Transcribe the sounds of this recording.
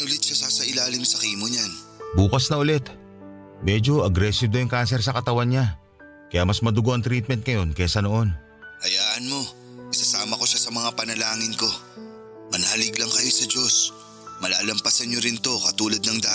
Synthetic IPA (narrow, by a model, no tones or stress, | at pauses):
ʊlɛt̪̚ʃasasɐʔɪlaːlɪmsɐkiːmoɲan | buːkɐsnɐʔʊlɛt̪ | mɛːd͡ʒo̞ʔɐɡɾɛsɪv̚d̪ojʊŋkansɛɾsɐkɐt̪ɐwanɲa | kɐjamɐsmɐd̪ʊɡoʔɐŋt̪ɾiːt̪̚mɛnt̪̚ŋɐjo̞nkɐjasɐnoʔo̞n | kɐjaːʔɐnmo̞ | ʔisɐsaːmɐko̞ʃasɐmɐŋapɐnɐlaːŋɪnko̞ | mɐnaːlɪɡlɐŋkɐjo̞sɐd͡ʒo̞s | mɐlaːlɐmpɐsɐnjoɾɪnt̪o̞kɐt̪uːlɐd̪̚nɐŋd̪a